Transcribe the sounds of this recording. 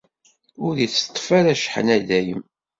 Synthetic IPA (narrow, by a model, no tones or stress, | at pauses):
ʊɾiθt̪ˤːfæɾæʃħə̰næðæjəm